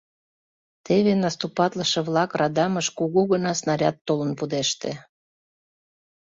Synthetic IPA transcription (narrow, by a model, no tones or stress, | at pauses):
t̪eβenɑst̪upɑt̪ləʃĕβlɑkrɑd̪ɑməʃkuɣuɣənɑsnɑɾʲɑt̪ːolənpud̪eʃt̪e